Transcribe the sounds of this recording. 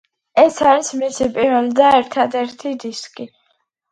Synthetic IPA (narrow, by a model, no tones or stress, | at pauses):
ɛsaɾismisipʼiɾɛlid̪aɛɾt̪ʰad̪ɛɾt̪ʰid̪iskʼi